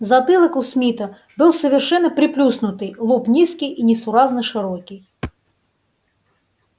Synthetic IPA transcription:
zɐt̪ɨlˠəkʊsmʲit̪ə | bɨlˠsəvʲɪrʂɛnːəpɾʲɪplʲusnʊt̪ɨjlˠupnʲiskʲijʔinʲɪsʊɾaznɨʂɨɾokʲɪj

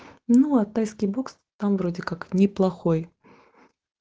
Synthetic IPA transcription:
nuat̪ajskʲɪjboks | t̪amvɾodʲɪkaknʲɪplˠɐxo̞j

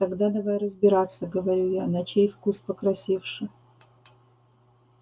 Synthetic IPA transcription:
t̪ɐɡd̪ad̪ɐvajrəzbʲɪɾat̪sːəɡəvɐɾʲujanɐt͡ɕejfkuspəkɾɐsʲefʂɨ

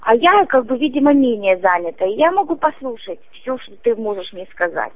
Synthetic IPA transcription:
ɐjakaɡ̚bɨvʲidʲɪməmʲenʲɪjəzanʲɪt̪əɪjamɐɡupɐslˠuʂətʲfsʲoʂt̪ot̪ɨmo̞ʐɨʂmnʲeskɐza̰tʲ

